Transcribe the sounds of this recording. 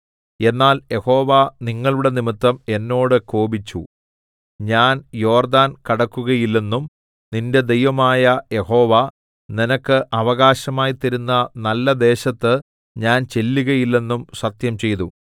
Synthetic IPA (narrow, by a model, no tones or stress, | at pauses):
e̞nːaːlje̞ho̞ːʋaniŋːɐɭuɽe̞nimit̪ːɐme̞nːo̞ːɽɨkoːbit͡ɕːu | ɲaːnjo̞ːrd̪aːnkɐɽɐkːuɣɐjilːe̞nːum | ninde̞d̪e̞jʋɐmaːjɐje̞ho̞ːʋa | ninɐkːɨʔɐʋɐɣaːɕɐmaːjit̪ːɐɾunːɐnɐlːɐd̪e̞ːɕɐt̪ːɨ | ɲaːnt͡ɕe̞lːuɣɐjilːe̞nːumsɐt̪jɐmt͡ɕe̞jt̪u